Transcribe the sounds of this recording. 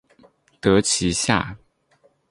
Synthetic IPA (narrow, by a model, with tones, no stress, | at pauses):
t̪ɤ˧˥t͡ɕʰi˧˥ɕja̰˥˩